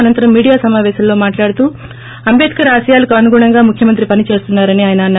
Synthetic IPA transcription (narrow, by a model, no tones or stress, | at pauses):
ɐnɐnt̪ɐɾɐmːiːɽijaːsɐmaːʋɛːʃɐmlo̞ːmaːʈlaːɽut̪uː | ɐmbeːd̪i̥kɐɾaːʃɐjaːlɐkɐːnuɡuːɳɐŋɡaːmukʰjɐmɐnt̪ɾipɐnit͡ʃe̞ːst̪unːaːɾɐniaːjɐnɐn